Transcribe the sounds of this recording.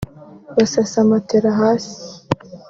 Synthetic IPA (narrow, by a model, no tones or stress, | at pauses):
βasasamat̪eɾaɦaːsi̥